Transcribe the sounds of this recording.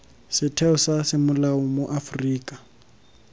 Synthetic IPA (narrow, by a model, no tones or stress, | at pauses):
sɪtʰɛʊsasɪmʊlaʊmʊʔafriːkʼḁ